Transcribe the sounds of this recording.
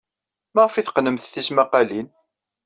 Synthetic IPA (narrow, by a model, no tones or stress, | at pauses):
mæʁfiθqnəmθθismæqalin